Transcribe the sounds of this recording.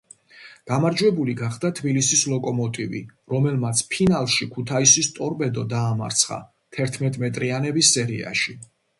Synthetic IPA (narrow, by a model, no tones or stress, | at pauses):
ɡ̥amaɾd͡ʒwɛbuliɡaχd̪at̪ʰbilisislˠɔkʼɔmɔt̪ʼivḭɾɔmɛlmat̪sʰpʰinalˠʃikʰut̪ʰaisist̪ʼɔɾpʼɛd̪ɔd̪aːma̰ɾt̪sʰχa̰ | t̪ʰɛɾt̪ʰmɛt̪ʼmɛt̪ʼɾianɛbisːɛɾḭa̰ʃi